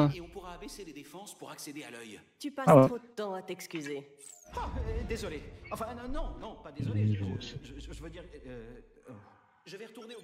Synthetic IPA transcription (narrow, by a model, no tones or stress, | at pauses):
ɛ̃eɔ̃puʁaːbɛseled̪efɑ̃spuʁaksed̪ealœj | t̪ypasawɛχod̪ət̪ɑ̃at̪ɛkskʲyze | ad̪ezɔleɑ̃fɛ̃nnɔ̃nɔ̃pad̪eenivoo̰si̥ʒʒəʒəvød̪iʁø | ʒəvɛʁət̪uʁne